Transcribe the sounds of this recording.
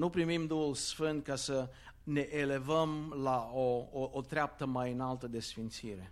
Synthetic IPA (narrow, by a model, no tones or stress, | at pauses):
nupɾimimd̪uhulsfɨnt̪̚kasə | ne̞ʔele̞vəmlaooot̪ɾeap̚t̪əmajɨnalt̪əd̪e̞sfint̪siɾe̞